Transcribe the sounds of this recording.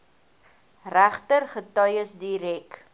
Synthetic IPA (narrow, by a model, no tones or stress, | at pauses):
ræχtərχətœjəsdiɾɛk